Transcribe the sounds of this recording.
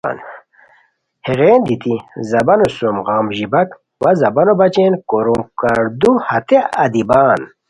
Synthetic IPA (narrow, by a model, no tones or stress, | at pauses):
n | heɣeːnd̪it̪izɐbɐnosumʁaːmʑibɐk | wɐzɐbɐnobɐt͡ɕenkoɾumkaɾd̪uhɐt̪eɐd̪ibaːn